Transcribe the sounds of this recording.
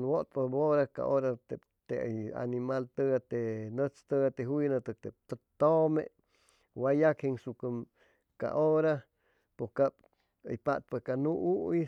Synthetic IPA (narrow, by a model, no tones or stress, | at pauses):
nwot̪̚paboɾaka̰ʔoɾat̪e | t̪eja̰nimalt̪əat̪enət͡st̪əat̪eɦujnət̪ɨk̚t̪ep̚t̪ət̪omḛ | wajakhiŋsukəm | ka̰ʔoɾa | pokap | ə̰jpat̪̚pakanuʔuʔi